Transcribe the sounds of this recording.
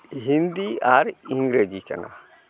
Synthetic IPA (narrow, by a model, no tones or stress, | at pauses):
ɦĩnd̪iaːɾĩŋɡɾed͡ʒikɐ̰nʔa̰